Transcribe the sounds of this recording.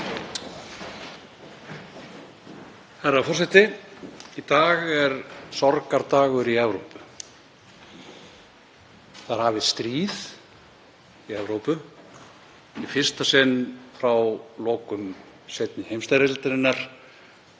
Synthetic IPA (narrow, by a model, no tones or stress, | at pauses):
haɾːafɔrsɛt̪ɪ | it̪aːɣɛɾsɔɾkaɾt̪aːɣʏɾiɛvɾowpʏ̥ | θaɾ̥havɪðst̪ɾiːð | iɛvɾowpʏ | ifɪr̥st̪asɛnːfɾawloːwkʏm | sejt̪nɪhejmst̪aɾasɪt̪aɾɪnːaɾ̥